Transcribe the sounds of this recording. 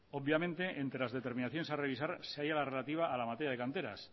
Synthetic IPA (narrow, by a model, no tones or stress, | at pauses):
obβjamẽnt̪eʔent̪ɾelazðe̞t̪e̞ɾmĩnaθjonesare̞βisaɾseajalare̞lat̪iβ̞aʔːlamat̪eɾjaðe̞kant̪e̞ɾa̰s